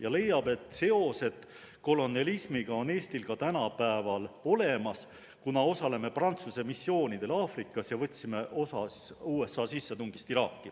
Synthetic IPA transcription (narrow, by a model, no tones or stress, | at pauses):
jɑle̞jːɑb̥e̞t̪ːˑse̞o̞se̞t̪ | ko̞lo̞nɑlismiɡ̥ɑo̞ne̞ːst̪ilkɑt̪ænɑpæevɑlo̞le̞mɑs | kunɑo̞sɑle̞me̞prɑnt̪suse̞misːjo̞ːnid̪̥e̞lɑːfrikːˑɑsjɑvɤt̪ʲːsime̞ʔo̞sɑsuːe̞sːɑːsisːet̪uŋɡ̥ist̪iɾɑːkːˑi